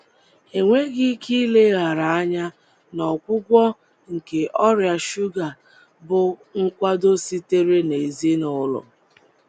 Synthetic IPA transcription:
e˨ŋʷe˦ɡɪ˦kʰi˦le˦ɣa˨ɾa˨a˦ɲa˦ | nɔ˨kʷʊ˦ɡʷɔ˦ | ŋ̩˨ke˨ʔɔ˦ɾja˨ʃu˦ɡa˨ | bʊ˨ŋ̩˦kʷa˦do˦si˦te˦ɾe˦ne˨zi˦nʊ˨˦lɔ̰˨

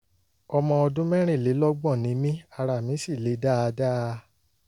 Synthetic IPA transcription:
ɔ˧mɔ̃˧ɔ˧dũ˦mɛ̃˦ɾ̃ĩ˦˨le˨˦lɔ˦ɡ͡bɔ̃˦˨nĩ˨˦mĩ˦a˧ɾa˨mĩ˨˦si˦˨le˨˦da˦˨˧da˦˧

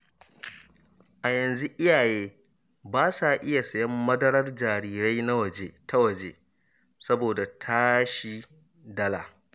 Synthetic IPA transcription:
ʔa˨jɐ˨nzu˦ʔɪ˦jaː˨jeː˦ | baː˦sa˨ʔɪ˦ja˨sɐ˨jɐ˦mːɐ˦dɐ˦ɽɐ˦rd͡ʒaː˨ɾiː˦ɾa˦jna˦wɐ˨d͡ʒeː˦ta˦wɐ˨d͡ʒeː˦ | sɐ˦boː˨da˨tʰa˦ʃi˦ | dɐ˦la̰ː˨

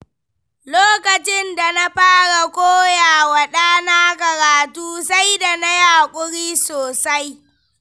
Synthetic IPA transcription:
loː˦kɐ˨t͡ʃɪ˦nda˨na˦ɸaː˦ɽa˨koː˦jaː˨wa˨ɗaː˦naː˦kɐ˨ɽaː˨tuː˦sa˦jda˨na˦jaː˨kʷʼʊ˦ɽiː˦soː˨sa˦j

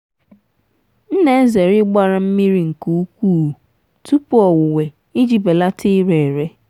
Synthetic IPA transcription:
n̩˦ne˦e˦ze˨ɾɪ˦ɡ͡ba˦ɾa˨m̩˦mi˦ɾi˦ŋ̩˨ku˨˦u˦kʷuː˦˨ | tu˦pʊ˦ɔ˨wʊ˨we˨ | i˦d͡ʒi˨be˨la˦tʰɪ˦ɾe˨ɾe˦

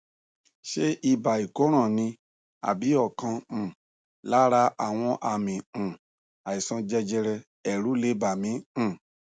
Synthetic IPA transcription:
ʃe˦i˧ba˨i˨ko˨˦ɾ̃ã˦˨nĩ˧ | a̰˨bi˨˦ɔ˦˨kã˧˨ | la˨˦ɾa˧˦a˦˨w̃ɔ̃˧ʔa˧mĩ˨ | a˨i˨sɔ̃˧d͡ʒɛ˧d͡ʒɛ˧ɾɛ˧ | ɛ˨ɾu˨˦le˨˦ba˨mĩ˨˦˨

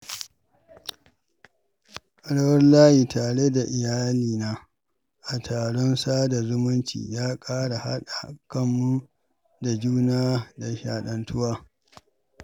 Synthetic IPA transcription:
ʔɽɐ˦wɐ˦rlaː˦jiː˨taː˨ɽe˦da˨ʔɪ˨jaː˦liː˨naː˦ | ʔa˨tʰaː˨ɽɔ˦nsaː˦da˨zʊ˦mʊ˦nt͡ʃḭː˨jaː˦kʼaː˦ɽa˨ha̰˦ɗa˨kɐ˦mːu˦ | da˨d͡ʒuː˦naː˦da˨ʃa̰ː˨ɗɐ˨ntʊ˦waː˦

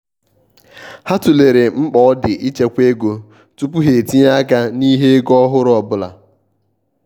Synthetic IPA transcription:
ha˦tu˨le˨ɾe˨ŋ͡m̩˦k͡pɔ˨ɔ˦dɪ˨ʔi˦t͡ʃe˦kʷe˦ɡo˨ | tu˦pu˦ɦe˨ti˦ɲa˦ka˦ni˦ɦe˦ɡɔ˦ɦʊ˦ɾɔ˨bʊ˦la̰˨

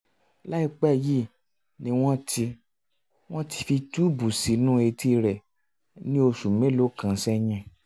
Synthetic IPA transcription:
la˦i˧k͡pɛ˦˨ji˦˨ | nĩ˧˦w̃ɔ̃˦tʰi˧ | w̃ɔ̃˦ti̥˧fi˧tu˦bu˨si˨˦nũ˦e˧ti˧ɾɛ˨ | nĩ˦o˧ʃu˨mẽ˨˦lo˦kã˨˧˦sɛ˦ɲ̃ɛ̃˧˨

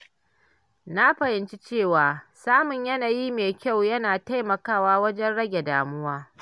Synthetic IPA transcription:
na˦ɸɐ˨hɪ˨nt͡ʃi˦t͡ʃeː˦˨waː˨saː˦mʊ˨ɲjɐ˦naː˨jiː˦meː˨kʲa˦˨wjɐ˦naː˨ta˦jmɐ˨kaː˦waː˦wɐ˦d͡ʒɛ˦nɽɐ˦ɡʲe˨da̰ː˨mʊ˦waː˦

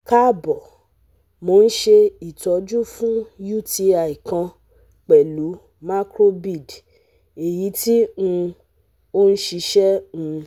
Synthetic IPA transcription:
ka˦˨bɔ˨ | mo˨˦˧n̩˦ʃe˧i˨tɔ˨˦d͡ʒu˦fũ˦ju˦˨ti˧a˧˨i˨kã˧ | k͡pɛ˨lu˨˦ | ma˦kɾo˦bi˦˨d | e˨ji˨˦ti˦ũ˧ | o˦n̩˦ʃi˧ʃɛ˦ũ˧

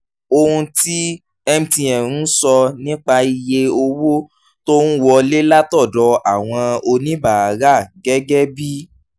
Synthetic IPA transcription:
o˧hũ˧ti˦ | ɛ˧m̩̃˧tĩ˧ɛ̃˨ɾũ˨˦sɔ˧nĩ˦k͡pa˧i˧je˧o˧wo˦ | to˦ñ̩˦wɔ˧le˦la˦tɔ˦˨dɔ˨˧a˦˨w̃ɔ̃˧o˧nĩ˦ba˨a˨˦ɾa˦˨ɡɛ˦ɡɛ˦bi˦

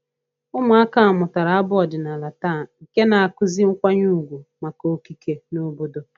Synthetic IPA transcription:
ʊ˦ma˨a˦ka˦a˨mʊ˨ta˨ɾa˨a˦bʊ˦ɔ˨dɪ˨na˨la˨ta˦˨i˨ke˦na˨a˨kʊ˦zi˦ŋ̩˦kʷa˦ɲu˦˨ɡʷu˨ma˨ko˨˦ki˦ke˦nʊ˦bo˦do˦

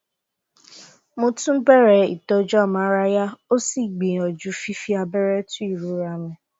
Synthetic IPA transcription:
mʊ˦tu˦m̩˦be˦ɾe˨ḭ˨tɔ˦d͡ʒɔ˦˨ma˦ɾa˦ja˦o˦si˦ɡ͡bi˨ɔ˨d͡ʒu˦fi˦fi˦a˨be˦ɾe˦tʊ˦i˨ɾu˦ɾa˨me˨

